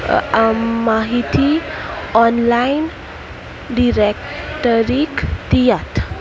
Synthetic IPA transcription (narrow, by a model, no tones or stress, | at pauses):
maɦit̪iɔnlajn | ɖiɾek | ʈəɾikt̪ijat̪